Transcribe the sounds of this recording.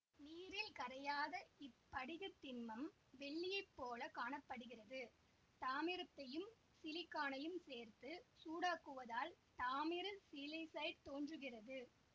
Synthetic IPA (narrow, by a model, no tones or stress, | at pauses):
niːɾɪlkɐɾɐjaːðɐɪpːɐɽɪɣɐt̪ːɪnmɐm | ʋɛɭːɪjɐɪpːoːlɐkaːɳɐpːɐɽɯɣɪrɐðɯ | t̪aːmɪɾɐt̪ːɐjɯm | sɪlɪkːaːɳɐjɯmseːɾt̪ɯsuːɽaːkːɯʋɐðaːlt̪aːmɪɾɯsɪlɪsɐɪɖt̪oːndrɯɣɪrɐðɯ